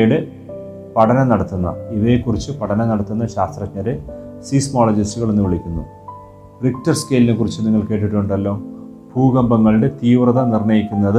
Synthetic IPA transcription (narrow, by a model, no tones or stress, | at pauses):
juɽe | pɐʈʰɐnɐnɐɽɐt̪ːunːɐ̰iʋɐjekːurit͡ɕːɨpɐʈʰɐnɐnɐɽɐt̪ːunːɐɕaːst̪rɐt͡ɕɲɐɾɨsiːsmoːlɐd͡ʑɐstuɣɐɭenːuʋiɭikʲːunːṵ | rik̚ʈɐrskeːline̞kːurit͡ɕːɨniŋːɐɭke̞ːʈ̬ːiʈːuɳɖɐlːo̞ː | bʱuːɣɐmbɐŋːɐɭiɽet̪iːʋrɐðɐnirɳɐjikʲːunːɐðɨ